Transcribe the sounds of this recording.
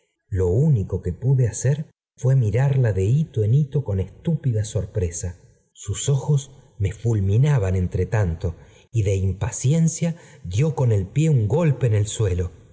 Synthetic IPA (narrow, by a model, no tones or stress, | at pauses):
lo̞uniko̞ke̞puðeaseɾ | fwe̞miɾaɾlaðe̞it̪oenit̪o̞ko̞nest̪upiðaso̞ɾpɾe̞sa | suso̞xo̞sme̞fulmĩnaβane̞nt̪ɾet̪ant̪o̞ | iðe̞impasje̞nsjaðjo̞ko̞ne̞lpje̞uŋɡo̞lpe̞ːne̞lswe̞lo̞